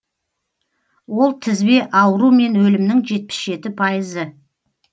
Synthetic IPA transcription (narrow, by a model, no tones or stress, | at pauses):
wo̞lˠt̪ʰɪzbe̞ʔɑwəɾume̞nwɵlɪmnɪŋʒe̞t̪̚pɪ̥sʒe̞t̪ɪpʰɑjəzə